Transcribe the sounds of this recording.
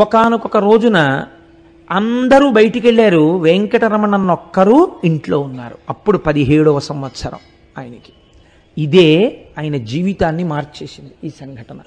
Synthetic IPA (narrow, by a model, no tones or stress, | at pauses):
ɔkaːnukɔkɐɾo̞ːd͡ʒunɐː | nd̪ɐɾuːbɐjʈikeɭːaːɾuʋeŋkɐʈɐɾɐmɐɳɐnːɔkːɐɾuːiɳʈlo̞ːunːa̰ːɾuɐpːuɽupɐd̪iɦe̞ːɽɔːʋɐsɐmʋɐt̪sɐɾɐ̰m | aːjɐnɐki̥ | id̪e̞ːaːjɐnɐd͡ʒiːʋit̪aːnːimaːɾt͡ʃe̞ːsind̪iiːsɐŋɡʱɐʈɐnɐ